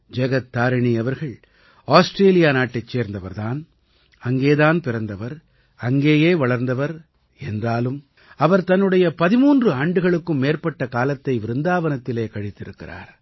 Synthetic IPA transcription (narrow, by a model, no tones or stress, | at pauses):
d͡ʒɛɣɐt̪ːaːɾɐɳiɐʋɐɾɣɐɭ | aːsʈɾeːlɪjaːnaːʈːɐɪt͡ʃːeːɾnd̪ɐʋɐɾðaːn | ɐŋɡeːðaːnpɪɾɐnd̪ɐʋɐɾ | ɐŋɡeːjeːʋɐɭɐɾnd̪ɐʋɐɾ | ɛndraːlɯm | ɐʋɐɾt̪ɐnːɯɽɐjɐpɐðɪmuːndrɯaːɳɖɯɣɐɭɯkːɯmːeːrpɐʈːɐkaːlɐt̪ːɐɪʋɪɾɯnd̪aːʋɐnɐt̪ːɪleːkɐɻɪt̪ːɪɾɯkːɪ̰ra̰ːɾ